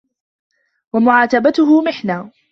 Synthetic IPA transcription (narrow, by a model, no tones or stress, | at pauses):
wamʊʕaːt̪abat̪ʊhʊmɪħnaː